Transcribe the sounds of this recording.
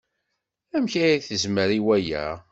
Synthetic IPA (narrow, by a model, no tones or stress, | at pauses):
æmçæiθəzməɾiwæjæ̰